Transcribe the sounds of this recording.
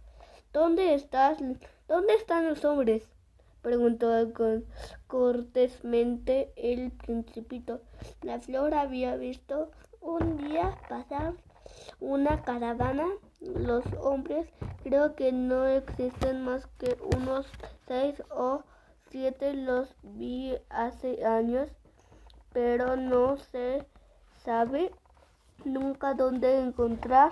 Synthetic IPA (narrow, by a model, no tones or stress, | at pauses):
d̪̥ond̪eːst̪asd̪̥ond̪eːst̪anlosombɾes | pɾeɣunt̪okokoɾt̪esmẽnt̪eːlpɾinsipit̪olafloɾaβiaβist̪ound̪iapasaɾ | unakaɾaβana | losombɾeskɾeokenoeksist̪enmaskeʔṵnosːejso | sjet̪elosbiaseaɲos | peɾonose | saβe | nũŋkad̪ond̪eːŋkont̪ɾaɾ